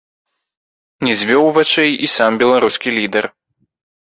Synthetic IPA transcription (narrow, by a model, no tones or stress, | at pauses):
nʲɛzʲvʲɔwvat͡ʃɛjisambʲɛlˠaɾuskʲilʲid̪ɛr